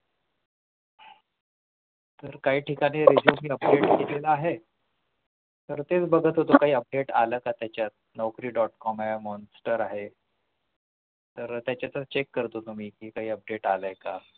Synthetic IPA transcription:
t̪əɾkaɦiːʈikaɽ̃iɾed͡ʑjumiːəp̚ɖeʈ̚ɡelelaaɦe | t̪əɾt̪et͡sbəɡʱət̪ɦot̪okaɦiːəp̚ɖeʈa̰ləːkat̪jat͡ɕjat̪̚nɔwkɾiːɖɔʈkɔmamɔnsʈəɾaɦe | t̪əɾt̪jat͡ɕjat͡sat͡ɕekːəɾt̪ot̪um̤iːkiːkaɦiːəp̚ɖeʈaləjka

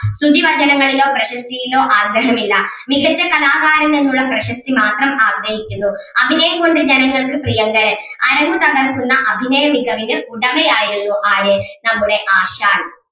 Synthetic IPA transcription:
sud̪ʱːiʋɐd͡ʑɐnɐŋːɐɭilo̞ːprɐɕɐst̪ijilo̞ːʔaːɡɐɦɐmilːɐ | miɡɐt͡ɕːɐkɐlaːɣaːɾɐme̞nːuɭːɐprɐɕɐst̪imaːt̪rɐmaːɡɾɐhikʲːunːu | ɐbʱinɐjɐmɡo̞ɳɖɨd͡ʑenɐŋːɐɭukprijɐŋɡɐɾɐ | ɐɾɐmut̪ɐɣɐrkunːɐʔɐbʱinɐjɐmiɡʱɐʋiɣɐluɽɐmejaːjiɾunːuʔaːjɨnɐmːuɽe̞ʔaːɕaːɳ

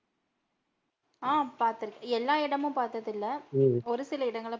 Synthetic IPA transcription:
aːpaːɾt̪ɯɾɯkːɐɛlːaːɪɽɐmɯ̃paːɾt̪ɐðɪlːɐɔɾɯsɪlɐɪɽɐŋɡɐɭ

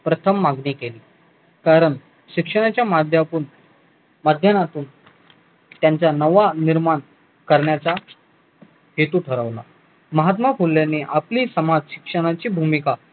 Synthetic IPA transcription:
pɾət̪ʰəmːaɡniːkeliː | kaɾəɳ | ɕikʂəɽ̃at͡ɕjamad̪ʱjapun | məd̪ʱjənat̪uːn | t̪jaɲt͡ɕanəʋaniɾmaɳ | kəɾɳjat͡sa | ɦet̪uːʈʰəɾəʋla̰ | məɦat̪mafulːjaneʔapliːsəmad͡zɕi̥kʂəɽ̃at͡ɕiːbʱumika

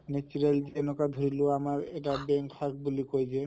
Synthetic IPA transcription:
net͡ʃuɹeld͡ʒiɛnɔkad̪ʱɔɹiloamaɹɛʈ̬abɛŋkʰːak̚bulikojd͡ʒɛ

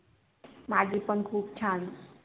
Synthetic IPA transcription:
maɡipənkʰuːb̚t͡ʃʰan

